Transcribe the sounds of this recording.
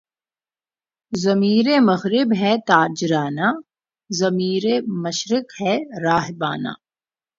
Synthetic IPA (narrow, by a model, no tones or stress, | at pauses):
zɐmiːɾemɐɣɾɪbɦɛt̪aːɾd͡ʒɾaːna | zɐmiːɾemɐʃɾɪkhɛɾaːɦɪba̰ːna̰ː